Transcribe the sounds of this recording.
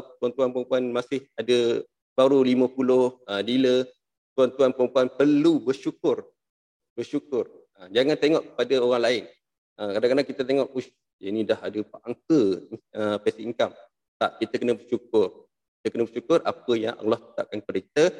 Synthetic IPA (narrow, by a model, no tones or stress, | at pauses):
t̪uant̪uanpəɾəmpuanmasɪhadə | b̥aɾuliməpulʊhədilə | t̪uant̪uanpəɾəmpuanpərlubərʃukʊr | bərʃukʊr | əd͡ʒaŋant̪eŋɔʔkə̥padəoɾaŋlaɪn | əkadaŋkadaŋkit̪ət̪eŋɔʔus | inĩdahadəpaʔaŋkəəpɛsiʔiŋkam | t̪aʔ̚kit̪əkənəbərʃuk̚ʊr | kit̪əkənəbərʃukʊrʔa̰pəjaŋʔə̰ŋlɔht̪ə̥t̪aʔ̚kankəɾeit̪ə